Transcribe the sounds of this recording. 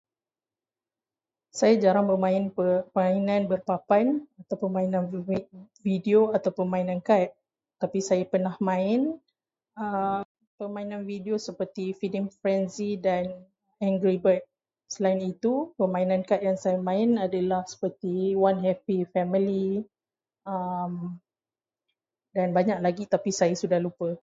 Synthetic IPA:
sajad͡ʒaɾaŋbəmãɪnpəməainãnbərpapanat̪awpəmainãn | vidioat̪awpəmãinãnkat̪̚ | t̪ːapisajapənahmãɪn | ə | pəmãinãnvidiosəpərt̪ifidəmfɾɛnzidan | ɛŋɡɾibət̪̚ | səlainit̪upəmãinãnkatʔ̪̚jaŋsajamãɪnadəlahsə̥pərt̪iwanɦɛpifɛmili | əm | danbaɲaʔ̚laɡit̪apisajasudahlupə

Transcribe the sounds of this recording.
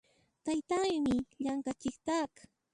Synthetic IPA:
t̪ajt̪aŋmɪʎaŋkat͡ʃɪkt̪ak

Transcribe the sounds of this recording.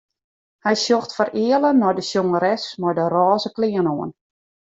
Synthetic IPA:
hɛjsjoxtfərɪːələnɔjdəsjoŋəɾɛsmɔjdərɔːzəklɪənoən

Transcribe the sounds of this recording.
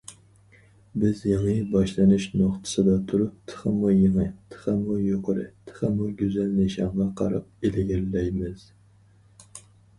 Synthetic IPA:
bɪzjeŋɨbɑʃlˠɨnɨʃnoχt̪ʰɨ̥sɨd̪ɑt̪ʰuɾup̚t̪ʰə̥χəmujeŋɨt̪ʰə̥χəmujoqəɾɨ̰t̪ʰə̥χəmuɡʲyzɛlnɪʃɑɴʁɑqʰɑ̰ɾɑ̰p̚elɪɡʲɛlːɛjmɪz̥

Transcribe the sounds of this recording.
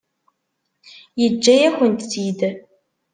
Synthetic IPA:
jəd͡ʒːæjæxʷənt̪sid̪

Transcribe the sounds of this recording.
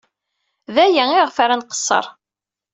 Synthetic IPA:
ðæjæɪʁfaɾanqə̥sˤːə̰ɾˤ

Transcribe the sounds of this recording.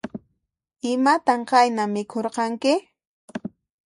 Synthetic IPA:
ɪmat̪aɴqajnamɪkʰoɾqɑŋkɪ

